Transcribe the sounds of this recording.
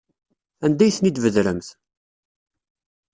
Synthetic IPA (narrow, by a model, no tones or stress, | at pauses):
ænd̪æjθənid̪vəðɾəmθ